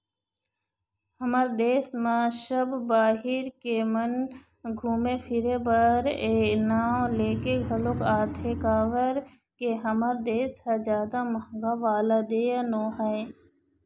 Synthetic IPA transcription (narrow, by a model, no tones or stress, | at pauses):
həməɾd̪eːsmaʃəbbaːɦɪɾkemɐn | ɡʱuːmepʰɪɾebɐɾenaːleːkeɡʱɐlokaːt̪ʰekaːʋəɾ | keɦəməɾd̪eːshazaːd̪amɐɡaʋaːlad̪eːanoːɦae